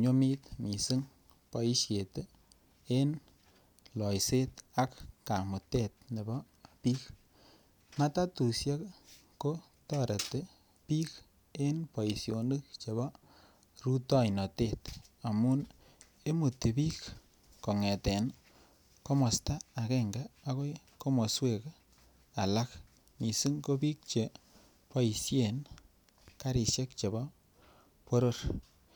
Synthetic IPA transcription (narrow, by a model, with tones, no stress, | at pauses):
ɲo˦mi˦t̪mi˨sɨ˦ŋ | pɔ˨i˦sje˨te˦ | e˦n | lɔ˨jse˦t̪a˦kka˨mu˨te˦t̪̚ne˨bɔ˦ | pi˦k | ma˦ta˦tu˨sja˦k | ko˦ | tɔ˦ɾe˨te˦ | pi˦k | e˦npɔ˨i˨sjo˨nɨ˦k̚t͡ʃe˨βɔ˦ | ɾu˦tɔ˦jnɔ˨te˦t̪a˨mu˦n | e˦mu˨tːe˨piː˦k | ko˨ŋɛ˨tɛ˨n | ko˦mɔ˨staː˦˨kɛ˦ŋɡaː˦ko˦j | ko˦mo˨swe˦˨k | a˨la˦k | mi˨si˦ŋko˦pi˦k̚t͡ʃe˨ | pɔ˦i˨sje˨n | ka˦ɾi˨ʃe˦k̚t͡ʃe˨bɔ˦ | po˦ɾo˦ɾ